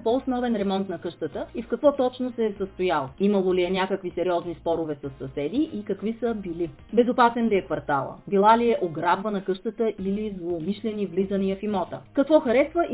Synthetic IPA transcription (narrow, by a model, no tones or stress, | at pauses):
poːsnɔvɛnɾɛmɔnt̪nɐkɤʃt̪ət̪əifkɐkvɔt̪ɔt͡ʃnosɛsəst̪ojalˠimɐlˠoliɛnʲjakəkvisɛɾiɔznispɔɾʊvɛsɐsːɐsɛd̪iʔikɐkvisəbili | bɛzopasɛnd̪ɐɛkvɐɾt̪a̰lˠə̰bilˠaliɛʔoɡɾabvənɐkɤʃt̪ət̪əʔilizlˠoːmiʃlɛnivlizənijəfimɔt̪ə̰kɐkvɔxɐɾɛsvəʔ